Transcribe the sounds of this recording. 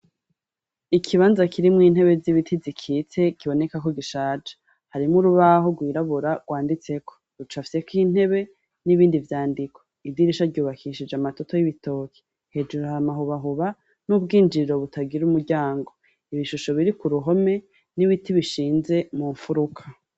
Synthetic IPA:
ikʰiβaːnzakʰiɾimŋiːn̥he̞βe̞ziβitʰizikʰiːt͡se̞kiβo̞ne̞kako̞ɡiʃaːd͡ʒḁ | haɾimuɾuβaɦo̞ɡwiːɾaβuɾaɡ̥waːndit͡se̞kʰo̞̥ɾut͡ʃafise̞kin̥he̞βe̞ | niβiːndivjaːndikʰo̞̥idiɾiʃaɾɟuːβakʰiʃid͡ʒeamato̞to̞jiβitʰo̞ːkʰe̥ | he̞ːd͡ʒuɾohamaɦuβaɦuβa | nubɡiːnd͡ʒiɾiɾo̞βutʰaɡiɾumuɾɟaːŋɡo̞ | iβiʃuʃo̞βiɾikuɾuɦo̞me̞ | niβitiβiʃiːnze̞muɱfuɾukʰa

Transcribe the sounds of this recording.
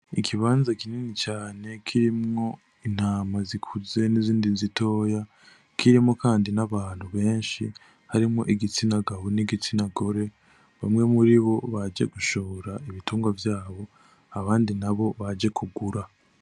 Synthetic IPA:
ikʰiβaːnzakiniːnit͡ʃaːne̞kʰiɾimŋo̞ | in̥haːmazikʰuze̞niziːndizito̞ːja | kʰiɾimŋo̞kaːndinaβaːn̥huβe̞ːnʃḭ | haɾimŋo̞ʔiɡit͡sinaɡaβoniɡit͡sinaɡo̞ɾe̞ | βamŋe̞muɾiβo̞βad͡ʒḛɡuʃoːɾaiβituːŋɡwavjaːβo̞ | aβaːndinaβo̞βad͡ʒe̞kʰuɡuɾa

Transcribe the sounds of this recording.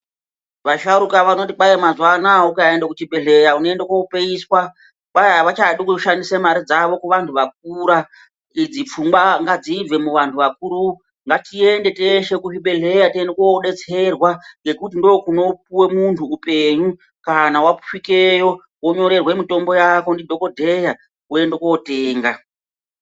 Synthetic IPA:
ʋaʃauɾukaʋano̞tiɓaemazwanaukaendekut͡ʃibʱe̞ɮe̞ɾaunoendekwoupeiswa | ɓajaʋat͡ʃaɗikuʃandisemaɾid͡zaʋo̞kuʋantʰuʋak̚uɾa | id͡zip͡fumɡwaŋɡad͡zib͡ve̞muʋantʰuʋakuɾu | ŋɡatie̞nde̞teʃe̞kuɦiɓe̞ɮe̞jatiendekuoɗe̞t͡se̞rwaŋɡe̞kutindo̞kuno̞p̚iwe̞muntʰuːpe̞ɲu | kanawapu̥fike̞jo̞ | wo̞ɲo̞ɾe̞rwe̞mito̞mbo̞jako̞ndidʱo̞ko̞dʱe̞ja | ue̞ndekwoote̞ːŋɡa

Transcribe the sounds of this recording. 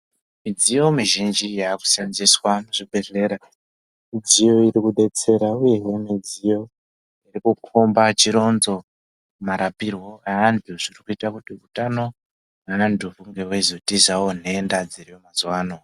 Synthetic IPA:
mid͡zijo̞miʒind͡ʒijaku̥sanziswanoʐibe̞ɮe̞ːɾa | mid͡zijo̞iɾikuɗe̞t͡se̞ɾauje̞we̞mid͡zijo̞ | irikukʰombat͡ʃiɾo̞nzo̞ | maɾapirwo̞aanduʐirikuitakutiutano̞ | naːndʱuvuŋɡewezotizawon̤e̞ːndad͡zirijomazuwaːno̞

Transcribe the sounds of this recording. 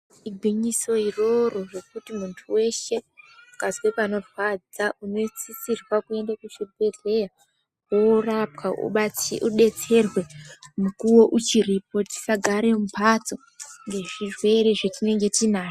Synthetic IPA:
iɡʱwiɲiso̞iro̞ro̞re̞kutimuntʰuwe̞ʃe̞ukazwepano̞fad͡zaʔuno̞t͡sisirwakue̞ndakuʃebeɮe̞ja | worapkaṵɓauɗe̞t͡se̞rwe̞mukuwo̞ʔut͡ʃirip̚oti̥saɡʱaɾemupat͡so̞ | ŋɡe̞ʐirwe̞ɾeʐetine̞ŋɡe̞tinaːti

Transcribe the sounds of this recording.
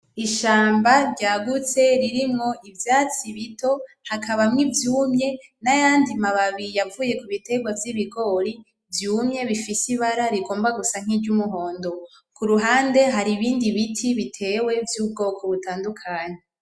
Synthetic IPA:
iʃaːmbaɾɟaːɡut͡se̞ɾiɾimŋo̞ʔivjaːt͡siβito̞ | hakʰaβamŋivjuːmɲe̞najaːndimaβaβijavuːje̞kuβite̞ɡwavjiβiɡo̞ːɾi | vjuːmɲe̞βifisiβaɾaɾiɡo̞ːmbaɡusaŋ̥hiːd͡ʒɟumuɦo̞ːndo̞ | kuɾuɦaːnde̞ɦaɾiβiːndiβitʰiβitʰe̞we̞vjuːb̚ɡo̞ːkʰo̞βutaːndukʰaːɲe

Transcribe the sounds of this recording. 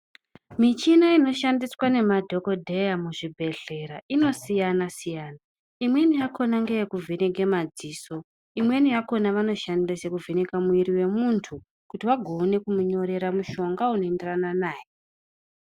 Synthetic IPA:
mit͡ʃinaino̞ʃandiswane̞madʱo̞ko̞dʱe̞jamuʐibʱe̞ɮ̥e̞ɾaʔino̞sijanasijaːna | imwe̞nijakʰo̞naŋɡejekuvʱene̞ɡe̞mad͡ziːso̞ | imwe̞nijako̞naʋano̞ʃandasekuvʱe̞ne̞kamuiɾiwe̞muntʰu | kutiwaɡʱoːne̞kumuɲo̞ɾe̞ɾamuʃo̞ŋɡaunoenderananaːje

